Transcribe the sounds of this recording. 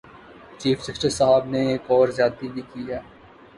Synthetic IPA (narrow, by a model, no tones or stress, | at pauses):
t͡ʃiːfsɐkʈəɾsaɦəbneeːkɔːɾzjaːt̪ibʱikijaː